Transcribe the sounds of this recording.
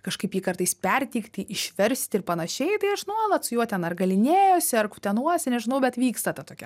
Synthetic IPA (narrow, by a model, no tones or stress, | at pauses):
kɐʃkɐɪpjiːkɐrt̪ɐɪspʲɛrʲt̪ʲiːkt̪ʲɪɪʃʲʋʲɛɾʲsʲt̪ʲɪrpɐnɐʃʲɛɪt̪ɐɪɐʃʒʲnoɐlˠɐt̪sʊjuɔt̪ʲɛnɐrɡɐlʲɪnʲeːjoːsʲɪɐrkʊt̪ʲɛnuɔsʲɪnʲɛʒʲɪnɐʊbʲɛt̪ʋʲiːkst̪ɐt̪ɐt̪oːkʲɛ